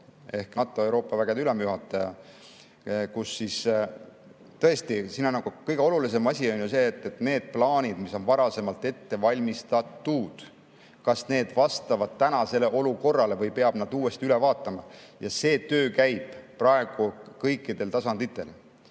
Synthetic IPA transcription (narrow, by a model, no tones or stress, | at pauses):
e̞hknɑt̪ːˑoewɾo̞ːpˑːɑvæɡ̥ed̪ylemjuɦɑt̪ˑːɑjɑ | kusːis | t̪ɤ̞e̞st̪isinɑnɑɡ̥ukɤjɡ̥eo̞lulis̬e̞mɑsʲio̞nʲjuse̞ːt̪ˑːet̪ne̞ːd̪̥̚plɑːnʲid̪miso̞nvɑɾɑse̞mɑlt̪ːˑe̞t̪ːe̞vɑlʲmist̪ɑt̪ːuːd̪̥ | kɑsne̞ːd̪vɑst̪ɑvɑd̪̥̚t̪ːænɑse̞le̞ʔo̞luko̞rːɑle̞vɤjpe̞ɑb̥nɑd̪̥uːe̞st̪iylɛvɑːt̪ːˑɑmɑjɑse̞ːt̪ø̞ːkæjb̥prɑe̞ɡ̥ukɤjkˑːid̪̥e̞lt̪ɑsɑnd̪̥it̪ːe̞l